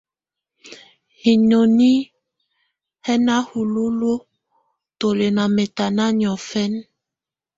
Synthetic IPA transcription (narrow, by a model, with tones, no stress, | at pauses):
hi˨ɲo˨ni˦ | hɛ˦na˦hu˨lu˦lo˦ | to˨le˨na˨me˨ta˨na˦ɲɔ˨fɛ˦n